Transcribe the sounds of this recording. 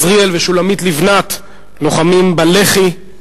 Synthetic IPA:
zʁielveʃulamit̪livnat̪ | noχamimbaleχi

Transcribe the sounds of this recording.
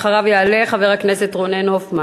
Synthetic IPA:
χaʁavjealeχave̞ʁhakne̞setʁonenhofma

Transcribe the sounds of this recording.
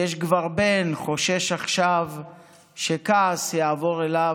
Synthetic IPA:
jeʃɡvaʁbenχo̞ʃeʃaχʃav | ʃekaːsjaːvo̞ʁela

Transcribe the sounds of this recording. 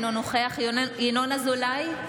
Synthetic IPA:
nonoχeaχjenonazolaj

